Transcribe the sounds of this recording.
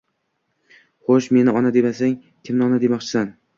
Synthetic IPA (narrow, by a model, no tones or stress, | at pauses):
χoʃme̞nɪɒnad̪e̞masaŋ | kʲʰɪmnɒnad̪e̞mɒqt͡ʃʰɪ̥san